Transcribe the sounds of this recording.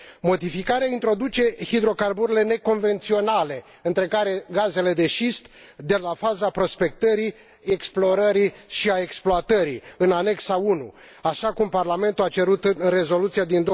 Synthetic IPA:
mo̞d̪ifikaɾeaint̪ɾo̞d̪ut͡ʃe̞hid̪ɾo̞karbuɾile̞ne̞ko̞nve̞nt̪sio̞nale̞ | ɨnt̪ɾe̞kaɾe̞ɡaze̞le̞d̪e̞ʃist̪ | d̪e̞lafazapɾo̞spe̞kt̪əɾi | eksplo̞ɾəɾiʃiae̞ksploat̪əɾiɨnane̞ksaunṵ | aʃakumparlame̞nt̪uat͡ʃe̞ɾut̪ɨnre̞zo̞lut̪sied̪ind̪o

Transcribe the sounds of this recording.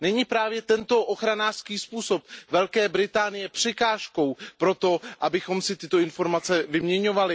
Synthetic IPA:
nɛɲiːpɾaːvjɛt̪ɛnt̪o̞ʔoxɾanaːr̥skiːspuːso̞p̚vɛlkɛːbɾɪt̪aːnɪjɛpr̝̥ɛkaːʃko̞wpɾo̞t̪o̞ʔabɪxo̞msɪt̪ɪt̪o̞ɪnfo̞ɾmat͡sɛvɪmɲɛɲo̞valɪ

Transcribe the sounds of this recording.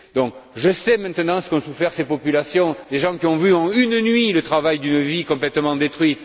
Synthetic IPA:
d̪ɔ̃ŋkʒəsɛmɛ̃t̪ənɑ̃sə̥kɔ̃sufɛʁsepɔpylasjɔ̃d̪eʒɑ̃kiɔ̃vyɑ̃ynnɥilət̪χavajd̪ynəvikɔ̃plɛt̪əmɑ̃d̪et̪χwɥi

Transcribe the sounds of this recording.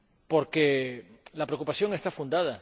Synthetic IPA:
po̞ɾkelapɾekupasjo̞ŋe̞st̪afund̪að̞a

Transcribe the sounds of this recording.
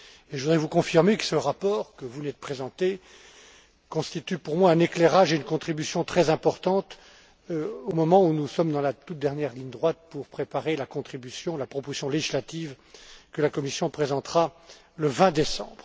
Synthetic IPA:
eʒəvud̪ʁɛvukɔ̃fiʁmekə̥səʁapɔːʁkəvunɛt̪̚pχezɑ̃t̪e | kɔ̃st̪it̪ypuʁmwaɛ̃neklɛʁaʒeynkɔ̃t̪χibysjɔ̃t̪χɛzɛ̃pɔʁt̪ɑ̃t̪ | omɔmɑ̃unusɔmd̪ɑ̃lat̪ut̪̚d̪ɛʁnjɛʁliɲd̪ʁwat̪̚puʁpχepaʁelakɔ̃t̪χibysjɔ̃lapχɔpozi̥sjɔ̃leʒislat̪iv | kəlakɔmisjɔ̃pχezɑ̃t̪χa | ləvɛ̃d̪esɑ̃bʁ

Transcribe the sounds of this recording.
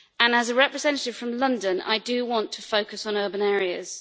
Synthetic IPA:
ə̃nəzəɹɛpɹɪzɛ̃ntətɪv̥fɹə̃mlʌ̃ndə̃na̰ɪdəwɒ̃ntʰəfəʊkəsn̩ɜːbə̃nɛːɹiəz̥

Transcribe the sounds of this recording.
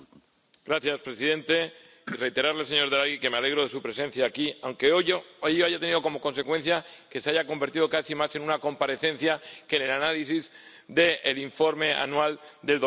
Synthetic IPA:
ɡ̥ɾaθjaspɾe̞siðẽ̞nt̪e̞ | ire̞jt̪e̞ɾaɾlese̞ɲo̞ɾðɾaɣike̞meale̞ɣ̞ɾo̞ð̞e̞supɾe̞se̞n̟θjaːkiawŋkeoejoaʝat̪e̞niðo̞ko̞mo̞ko̞nse̞kwe̞n̟θjake̞seaʝako̞mbe̞ɾt̪ið̞okasimase̞nũnako̞mpaɾe̞θẽ̞n̟θjake̞ne̞lanalisiz | d̪e̞ːliɱfo̞ɾme̞a̰nwald̪e̞ld̪o

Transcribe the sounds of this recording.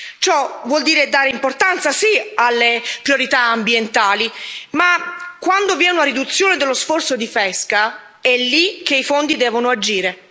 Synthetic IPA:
t͡ʃɔvwɔld̪iːɾed̪aːɾeimport̪ant̪sasialːepɾjoɾit̪aambjent̪aːlimakːwand̪ovjɛːnuaɾid̪ut̪sːjoːned̪elːosfɔrt̪sod̪ifɛska | ɛlːik̟ːeifond̪id̪ɛːvonoad͡ʒiːɾe

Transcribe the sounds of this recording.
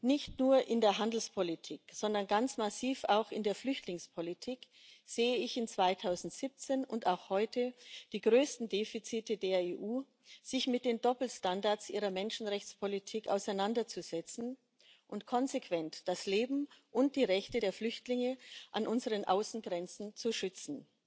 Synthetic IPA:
nɪçtnuːɐʔɪndeːɐɦandl̩spʰolitʰiːkz̥ɔndɐnɡant͡smasiːfaʊxɪndeːɐflʏçtlɪŋspʰolitʰiːk | z̥eːəɪçɪnt͡sv̥aɪtʰaʊzn̩tz̥ip̚t͡seːnʊntaʊxhɔʏtəd̥iːɡʁøːstn̩deːfit͡siːtədeːɐeːʔuː | z̥ɪçmɪt̚d̥eːndɔpl̩standaɐsʔiːʁ̞ɐmɛnʃn̩ʁɛçt͡spʰolitʰiːka̰ʊsaɪnandɐt͡suz̥ɛt͡sn̩ | ʔʊntkʰɔnzekʰv̥ɛntd̥asleːbm̩ʔʊnt̚d̥iːʁɛçtədeːɐflʏçtlɪŋəʔanʔʊnzəʁənʔa̰ʊsn̩ɡʁɛnt͡sn̩t͡suʃʏt͡sn̩

